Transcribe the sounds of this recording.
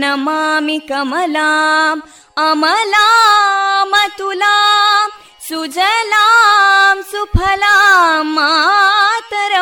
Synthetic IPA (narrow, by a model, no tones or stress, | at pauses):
nɐmamikɐmɐlaːm | ɐmɐla | mɐt̪ulaːm | sud͡ʒɐlaːmsupʰɐlamːa | t̪ɐɾɐ